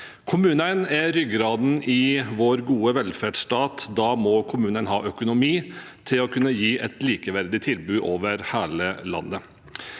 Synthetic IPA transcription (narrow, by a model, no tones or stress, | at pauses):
kʰʊmʉːnənɛɾʏɡɾɑːd̪n̩ɪʋoːɾɡuːəʋɛlfæɖst̪ɑːt̪d̪ɑːmɔkʰʊmʉːnənɦɑ̰ːʔœkʊnʊmiː | t̪ʰɪlɔkʰʉnːəjiːʔɛt̪liːkəʋæɾd̪ɪt̪ʰɪlbʉːʔoːʋəɾhæːləlɑ̰nːə